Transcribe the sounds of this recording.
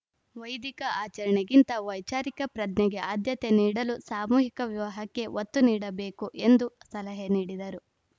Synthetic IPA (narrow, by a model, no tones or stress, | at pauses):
ʋɐjd̪ikɐʔaːt͡ʃɐɾɐɳeɡint̪ɐʋɐjt͡ʃaːɾikɐpɾɐd̪nɛɡe̞ʔaːd̪ʱjɐt̪eniːɽɐlusaːmuːɦikɐʋjiʋɐɦɐkːe̞ʋʔot̪ːuniːɽɐbe̞ːkuʔe̞nd̪usɐlɐɦeniːɽid̪ɐɾu